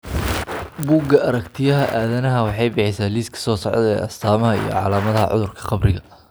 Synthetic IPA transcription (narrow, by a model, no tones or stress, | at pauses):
buːɡɐʔɐɾɐkt̪ʰɪjɐɦɐʔaːðɐnɐɦɐwɑħɑjbɪħɪsaːliːskʰɐ̥sɔːsɔʕd̪ɛ̰ːʔɐst̪ʰaːmɐɦɐḭjɔ̰ʕɑ̰laːmɐðɐɦɐ̰ʕʔʊ̰ðʊrkʰɐ̥qɑbrɪɣɐ